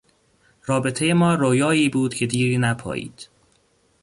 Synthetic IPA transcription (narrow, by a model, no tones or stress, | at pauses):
rɒːbe̞t̪ʰeje̞mɒːɾojɒːiːbuːd̪cʰe̞d̪iːɾiːnæpʰɒ̰ːʔḭːd̪̥